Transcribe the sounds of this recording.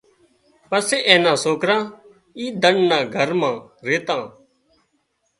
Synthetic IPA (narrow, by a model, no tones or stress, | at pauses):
pəseːʔẽːnãːsoːkɾãː | iːd̪əɳnãːɡʱəɾmãːɾeːt̪ãː